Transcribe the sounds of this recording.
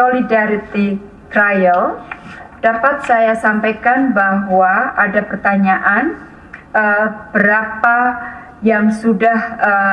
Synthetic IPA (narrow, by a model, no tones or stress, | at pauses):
solidaɾit̪i | t̪ɾajəl | d̥apat̪̚sajasampajkanbaŋwaʔadapərt̪aɲaʔan | ʔəb̥əɾapa | jaŋsudahə